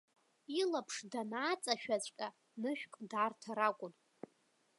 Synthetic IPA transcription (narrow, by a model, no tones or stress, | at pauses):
ilapʰʂdanaːt͡sʼaʃᶣat͡ɕʷʼkʲʼa | nɨʃᶣkʼdaːrtʰaɾakʷʼʊn